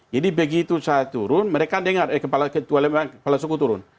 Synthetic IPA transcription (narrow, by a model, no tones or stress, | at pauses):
d͡ʒadibəɡit̪usaːt̪uɾʊnməɾekadəŋarɛkəpalakət̪ualɛmaŋkəpalasukut̪uɾʊn